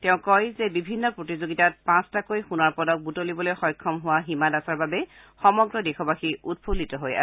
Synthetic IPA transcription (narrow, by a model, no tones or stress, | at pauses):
tɛʊ̃kɔjzɛbibʱinːɔpɹotizoɡitat̚pãstakojxunaɹpɔdɔk̚butolibɔlojxɔjkʰːɔmɦʊwaɦimadasaɹbabɛ | xɔmɔɡɹɔdexɔbaxiut̚pʰulitɔɦoja̰